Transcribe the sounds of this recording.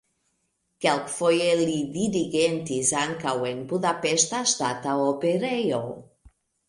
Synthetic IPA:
kɛlkfojelid̪iɾiɡent̪izaŋkawenbuðapeʃt̪ast̪at̪aopeɾejow

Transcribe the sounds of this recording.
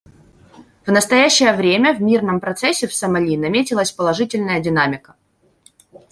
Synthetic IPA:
v̥nəst̪ɐjæɕːɪjəvɾʲemʲəvʲmʲirnəmpɾɐt̪sɛsʲːɪfsəmɐlʲinɐmʲetʲɪlˠəsʲpəlˠɐʐɨtʲɪlʲnəjədʲɪnamʲɪkə̥

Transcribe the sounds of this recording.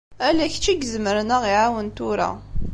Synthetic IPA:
ælæçt͡ʃːiɡzməɾnəʁiʕawənt̪uɾa̰

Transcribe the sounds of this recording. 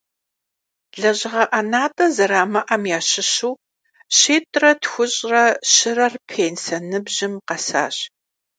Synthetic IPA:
ɮɐʑɪʁɐʔɐnaːtʼɐzɐɾaːmɐʔɐmjaːɕɪɕuw | ɕeːtʼrɐtxʷʊɕʼrɐɕɪrɐrpʰeːnsɐnɨbʑɪmqɐsa̰ːɕ

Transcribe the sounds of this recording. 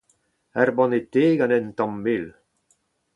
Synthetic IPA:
ɛrbɔ̃net̪eːɡanɛnt̪ɔ̃mːɪl

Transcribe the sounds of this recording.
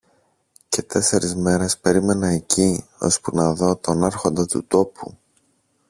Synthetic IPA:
ce̞t̪e̞se̞ɾizme̞ɾe̞spe̞ɾime̞nɐecio̞̰spunɐðo̞t̪o̞nɐɾxo̞nd̪ɐt̪ṵt̪o̞pu

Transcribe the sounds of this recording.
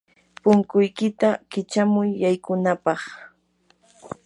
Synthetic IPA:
pʊŋkʊjkɪt̪akɪt͡ʃamʊjːajkʊnapɑχ

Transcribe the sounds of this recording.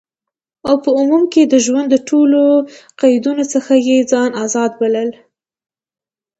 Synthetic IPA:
awpəʊmumked̪əʒwand̪ːəʈʰoloqajd̪unot͡səxajed͡zɑnazɑd̪̚baləl

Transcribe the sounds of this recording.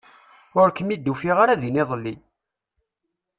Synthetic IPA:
ʊɾkəmid̪ːufiʁaɾæðiniðˤəlːi

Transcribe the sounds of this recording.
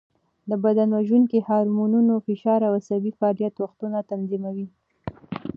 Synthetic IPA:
d̪əbad̪anwaʒuŋkihɑɾmununofɪʃɑɾawasabifaɑlijat̪waxt̪unat̪anzimawi

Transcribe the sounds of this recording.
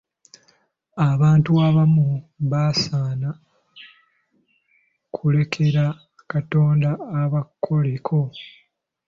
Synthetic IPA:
aβaːntuaβamuβasaːna | kʰule̞kʰe̞ɾa | kato̞ːndaːβakʰːo̞lekʰo̞

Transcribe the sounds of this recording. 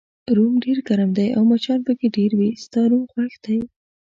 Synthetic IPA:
ɾumɖeɾɡaɾamd̪ajawmat͡ʃɑnpəkeɖeɾwist̪ɑɾumxwaxd̪̥aj

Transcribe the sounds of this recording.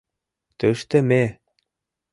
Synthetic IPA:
t̪øʃt̪ɘ̆me

